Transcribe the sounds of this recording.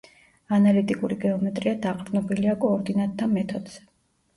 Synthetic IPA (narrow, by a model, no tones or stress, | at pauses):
analit̪ʼikʼuɾiɡɛɔmɛt̪ʼɾiad̪aqʼɾnɔbiliakʼɔːɾd̪inat̪ʼʰːamɛt̪ʰɔd̪z̥ɛ̥